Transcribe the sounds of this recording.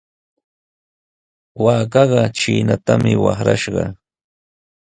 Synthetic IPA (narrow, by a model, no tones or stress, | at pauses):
waːkɑɢɑt͡ʃiːnat̪amɪwɑχɾaʃɢɑ